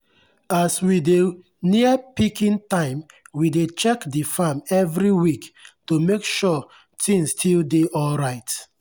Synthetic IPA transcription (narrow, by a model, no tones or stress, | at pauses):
aswide | niəpikĩntãɪ̃m | widet͡ʃɛkdifamɛvɹiwiktumekʃɔ | tʰĩnstʰildeʔɔlɹaɪt